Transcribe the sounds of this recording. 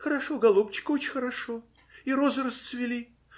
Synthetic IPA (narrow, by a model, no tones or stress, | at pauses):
xəɾɐʂoɡɐlˠupt͡ɕɪ̥kəot͡ɕɪnʲxəɾɐʂo | iɾozɾəst̪svʲɪlʲi